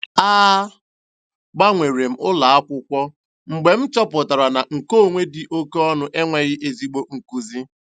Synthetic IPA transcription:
aː˦ | ɡ͡ba˦ŋʷe˨ɾe˨m̩˨ʊ˦la˨a˦kʷʊ˦kʷɔ˦ | ŋ͡m̩˨ɡ͡be˨m̩˦t͡ʃɔ˦pʊ˨ta˨ɾa˨na˨ŋ̩˨ko˦˨ŋʷe˦dɪ˨ʔo˦ke˦ɔ˦nʊ˦ʔe˦ŋʷe˨ɣɪ˦ʔe˨zi˦ɡ͡bo˦ŋ̩˨ku˦zi˦

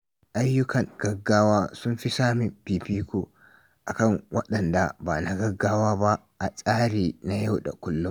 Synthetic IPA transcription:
ʔa˦jːʊ˦kɐ˨ŋɡ̥ɐ˦ɡːaː˦waː˦sʊ˦nfi˦saː˦mi˨biː˨piː˦ku˦˨ | ʔa˨kɐ˦ŋwʔɐ̰˦ɗɐ˨nda˨baː˨na˨ɡɐ˦ɡːaː˦waː˦ba˦ | ʔa˨sʼaː˦ɾiː˨na˨ja˦wɗa̰˨kʊ˦lːʊ˦m

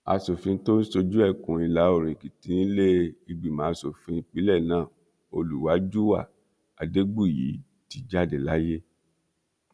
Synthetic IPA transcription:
a˧so˨fĩ˧n̩˦to˦ni˦so˧d͡ʒu˦ɛ˦˨kũ˨i˧la˨˦o˦˨ɾẽ˨ki˨tĩ˨˦ĩ˦le˦i˧ɡ͡bi˨mãː˨˦˧so˨fĩ˧˦k͡pi˨˦lɛ˦˨nãː˦˨ | o˧lu˨wa˨˦d͡ʒu˦wa˦˨ | a˨de˦ɡ͡bu˦˨jḭ˨˦ | ti˧˦d͡ʒa˦˨de˨la˦je˦

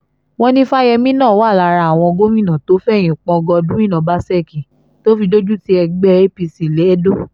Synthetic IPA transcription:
w̃ɔ̃˧nĩ˦fa˦jɛ˧mĩ˦nãː˦˨wa˦˨la˧ɾa˧˨a˨w̃ɔ̃˧ɡo˦mĩ˦˨nã˨to˨˦fɛ˦˨j̃ĩ˨k͡pɔ̃˧ɡɔ˧dũ˦ĩ˦˨nã˨ba˦sɛ˦˨kĩ˨ | to˦fi˧do˦d͡ʒu˦ti˦ɛ˧ɡ͡bɛ˦e˦pi˧si˨le˨˦do˦˨

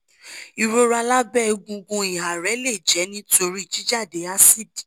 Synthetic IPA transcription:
i˨ɾo˧˦ɾa˧la˦bɛ˦˧ɡũ˧ɡũ˧i˨a˨ɾɛ˨˦le˦˨d͡ʒɛ˨˦nĩ˦tʰo˧ɾi˦i˨d͡ʒi˨˦d͡ʒa˦˨de˨˦a˦si˦di˨

